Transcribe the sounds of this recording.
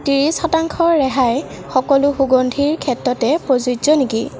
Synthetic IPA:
tiɹisxɔtaŋkʰɔɹːɛɦaj | xɔkɔlʊxuɡondʱiɹkʰɛtɹɔtɛpɹozuzɔniki

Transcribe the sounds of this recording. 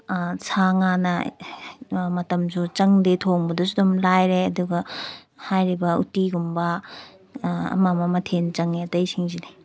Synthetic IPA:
sʰaŋanɐ | mɐtɐmsʰut͡ʃɐŋdetʰoŋbɐdɐsidumlajɾeɐduɡɐ | hajɾibɐṵtiɡumbɐ | ɐ̰mamɐmɐtʰent͡ʃɐŋeɐtɐjsiŋzine

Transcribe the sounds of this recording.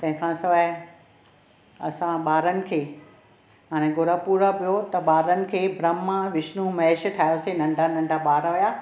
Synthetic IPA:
t̪ɐ̃ɦɪ̃kʰãsɐʋə | ɐ̰sãɓaːɾənɪ̆kʰeː | ɦaːɽ̃ẽɡʊɾəpuːɾəpijot̪ɐɓaːɾənɪ̆kʰeːbʱɾɐmːaʋɪʃnũmɐeʃ̆ʈʰaːjoːsenɐ̃ɳɖʱanɐ̃ɳɖʱaɓaːɾʋɐjaː

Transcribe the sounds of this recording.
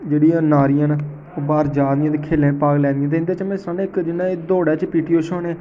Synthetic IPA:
d͡ʒeːɽiːãːnaːɾian | oːbaːɾd͡ʒaːndijãːt̪̬eːkʰeːlẽːpaːɡlɛ̃ːnd̪ijãːt̪eːɪnd̪eːt͡ʃəmẽsɾãːnːɪkd͡ʒɪnːãːed̪oːɽɛːt͡ʃpiːʈiːoːʃɔːneː

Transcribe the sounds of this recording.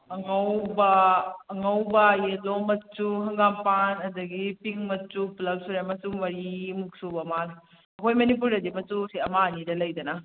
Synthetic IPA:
ɐŋɐwbɐːŋɐwbɐjelomɐt͡ʃːuhɐŋɡampanɐdɐɡipiŋmɐt͡ʃːuplɐp̚suɾemɐsuŋmɐɾimuk̚subɐmal | ɐkʰojmɐnipuɾɐdimɐtusiɐmanidɐlɐjdɐnɐ

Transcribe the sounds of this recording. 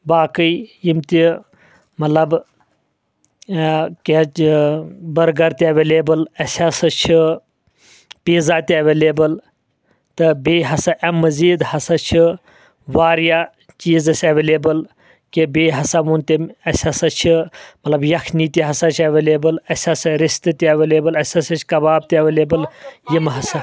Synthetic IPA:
baːkɨjjimt̪ʲi | mɐt̪lɐb | ke | bɐɾɡɐɾt̪iɐʋeːleːbəlɐsʲasɐt͡ʃʰi | piːzaːt̪ʲiɐʋeːleːbɐl | t̪ɨbeːɦɐsɐʔɐmːɐziːd̪hɐsɐt͡ʃʰi | ʋaːɾja | t͡ʃiːzɐsʲɐʋeːleːbɐl | kebeːɦɐsamunt̪ʲemɐsʲɐsɐt͡ʃʰimɐt̪lɐbjɐkʰniːt̪ʲiɦɐsat͡ʃʰɐʋeːleːbəlɐsʲɐsɐɾist̪ɨt̪iɐʋeːleːbɐlɐsʲɐsɐt͡ʃʰkɐbaːb̚t̪ʲiɐʋeːleːbɐljimɦɐsɐ

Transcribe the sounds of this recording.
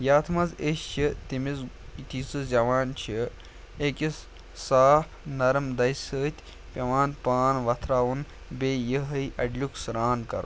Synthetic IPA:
jaːt̪ʰmɐzeʃt͡ʃʰit̪imiz | it̪ʰisɨzʲjɐʋaːnt͡ʃʰi | ekʲis | saːfʰnɐɾmd̪ɐjsəːt̪ʰʲ | pʲɐʋaːnpaːnʋɐt̪ʰɾaːʋun | beːjəɦɐjʔɐɖlʲuksɾaːnkɐ̰ɾ̰

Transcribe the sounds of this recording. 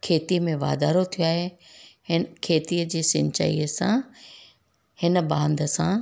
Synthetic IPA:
kʰeːt̪imẽʋa̰ːd̪aːɾot̪ʰijoaːɦe | hɪnkʰeːt̪iəd͡ʑeːsɪ̃ɲt͡ɕa̰ḭːəsã̰ | hɪnbãːnd̪əsã

